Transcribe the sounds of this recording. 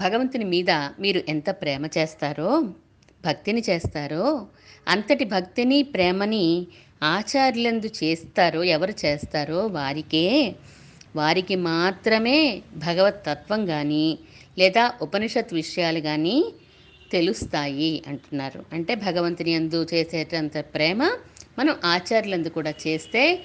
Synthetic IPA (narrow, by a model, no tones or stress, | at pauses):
bʱɐɡɐʋɐnt̪inimiːd̪ɐmiːɾuʔɛnt̪ɐpɾɛːmɐt͡ʃeːst̪aːɾoː | bʱɐk̚t̪init͡ʃeːst̪aːɾoː | ɐ̰nt̪ɐʈibʱɐk̚t̪inipɾɛːmɐni | aːt͡ʃaːɾle̞nd̪ut͡ʃeːst̪aːɾo̞ːɛʋɐɾut͡ʃeːst̪aːɾo̞ːʋaːɾikeː | ʋaːɾikimaːt̪ɾɐme̞ːbʱɐɡɐʋɐt̪ːɐt̪ʋɐŋɡaːnilɛːd̪aːʔupɐniʂɐt̪ʋiʂɐjaːluɡaːniː | t̪e̞lust̪aːjiɐɳʈunːaːɾṵɐɳʈe̞ːbʱɐɡɐʋɐnt̪iniend̪ut͡ʃeːseːɐnt̪ɐpɾɛːmɐmɐnɐmʔaːt͡ʃaːɾjulend̪ukuːɽaːt͡ʃe̞ːst̪e̞ː